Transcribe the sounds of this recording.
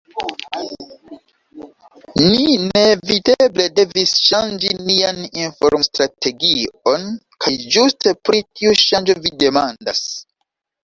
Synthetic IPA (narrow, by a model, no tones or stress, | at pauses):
nine̞videble̞de̞visʃand͡ʒinianinfo̞̰ɾmstɾatʰe̞ɡio̞n | kʰajd͡ʒustepɾitiuʃand͡ʒo̞vide̞mandas